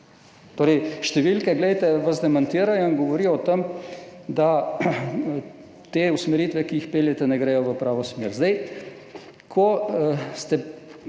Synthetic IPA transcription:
t̪oːɾɛjʃt̪ɛʋilkɛɡlɛjt̪ɛʋazd̪ɛmant̪iːɾajɔiŋɡɔʋɔɾiːjɔt̪emd̪a | t̪eːusmɛɾit̪ʋɛkiixpeːljɛt̪ɛnɛɡɾɛːjɔʋəpɾaːʋɔsmeːɾzd̪ɛj | kʰɔst̪ɛ

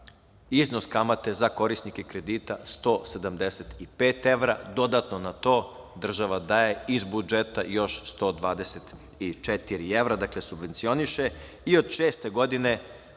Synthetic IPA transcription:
izno̞skamat̪e̞zako̞ɾisnikekɾe̞d̪iːt̪ast̪oːse̞d̪amd̪eset̪ipe̞ːt̪e̞ʋɾad̪o̞d̪at̪no̞nat̪o̞ː | d̪r̩ʒaʋad̪aje̞izbud͡ʒet̪ajo̞ʃst̪o̞ːd̪ʋaːd̪eset̪ | it͡ʃet̪iɾie̞ʋɾad̪akle̞subʋe̞nt̪sioniʃe̞ | io̞d̪ʃeːst̪e̞ɡo̞d̪ine̞

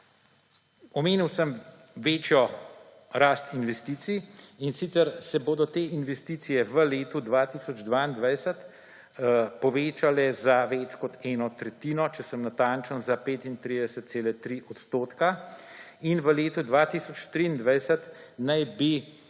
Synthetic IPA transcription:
ɔmeːniwsəm | ʋeːt͡ʃjɔ | ɾaːst̪inʋɛst̪iːt̪siinsit̪sɛɾsɛboːd̪ɔt̪eːinʋɛst̪iːt̪sijɛʋəleːt̪ud̪ʋaːt̪iːsɔd͡ʒd̪ʋaːind̪ʋajsət̪ | pɔʋeːt͡ʃalɛzaʋɛːt͡ʃkɔt̪ɛːnɔt̪ɾɛt̪iːnɔt͡ʃɛsəmnat̪aːnt͡ʃənzapeːt̪int̪ɾiːd̪ɛsət̪̚seːlɛt̪ɾiʔɔt̪st̪oːt̪ka | inʋəleːt̪ud̪ʋaːt̪isɔt͡ʃt̪ɾiːnd̪ʋajsət̪najbi

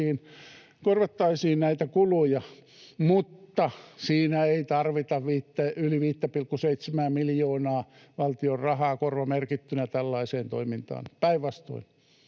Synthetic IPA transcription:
iːn | korʋɑt̪ːɑisiːnnæit̪ækulujɑ | mut̪ːɑsiːnæeit̪ɑrʋit̪ɑʋʋiːt̪ːeyliʋiːt̪ːɑpilkːuseit̪semæːmmiljoːnɑː | ʋɑlt̪iorrɑhɑːkorʋɑmerkit̪ːynæt̪ælːɑiseːnt̪o̰imint̪ɑ̰ːnpæiʋʋɑst̪o̰in

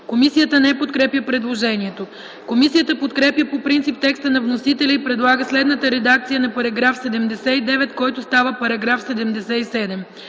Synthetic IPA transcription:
komisijət̪ənɛpot̪kɾɛpjəpɾɛd̪lˠoʒɛniɛt̪o | komisiət̪əpot̪kɾɛpjəpopɾint̪sip̚t̪ɛkst̪ənɐvnosit̪ɛlʲɐipɾɛd̪lˠaɡəslɛd̪nət̪əɾɛd̪akt̪sijənɐpɐɾɐɡɾafsɛd̪ɛmd̪ɛsɛid̪ɛvɛt̪kɔjt̪ʊst̪avəpɐɾɐɡɾafsɛd̪ɛmd̪ɛsɛisɛd̪ɛm

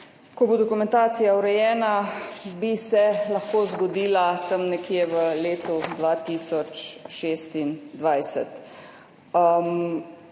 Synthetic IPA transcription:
kɔbod̪ɔkumɛ̃nt̪aːt̪sijauɾɛjɛːnabisɛlɐxkoːzɡɔd̪iːlat̪əmnɛkjeʋəleːt̪ud̪ʋat̪iːsɔt͡ʃʃeːst̪ind̪ʋajsɛ̰t̪ | m

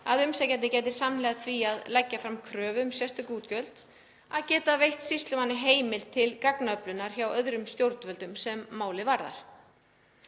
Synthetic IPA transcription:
aðʏmsɛcɛːt̪ɪcɛːjt̪̬ɪsamnlɛːɣaθʰviaðlɛcːafɾamkʰɾœːvʏmsjɛst̪ʏkuːt̪cœlt̪ | aðcɛːt̪avejht̪sist̪lʏmanːɪɦeːjmɪlt̪ʰɪlkaknaœplʏnːaɾ̥çawœðɾʏmst̪jowɾt̪vœlt̪ʏmsɛmːaːwlɪvaɾða̰ɾ̥

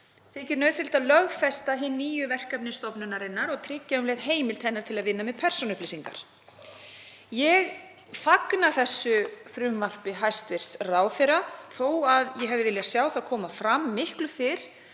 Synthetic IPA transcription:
θɪcɪɾnœɥðsɪl̥t̪aðlœɣfɛst̪aɦɪnːiːjʏvɛr̥kapnɪst̪ɔpnʏnaɾɪnːaɾɔɣt̪ʰɾɪcːamlɛɣðɦeːjmɪlt̪ʰɛnːaɾ̥t̪ʰɪlaðvɪnːamɛðpʰɛr̥sɔnʏhpliːsiŋka̰ɾ̥ | jɛɣ | faknaθɛsːʏθɾʏmval̥pɪɦajst̪vɪr̥sraːwθɛrːaθoːwaðjɛɦɛvðɪvɪljasjaːwθaðkʰɔːmafɾamːɪhklʏfɪɾ̥

